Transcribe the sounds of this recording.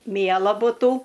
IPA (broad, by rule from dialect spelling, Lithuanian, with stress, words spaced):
ˈmʲiɛlˠɐ bʊˈtuː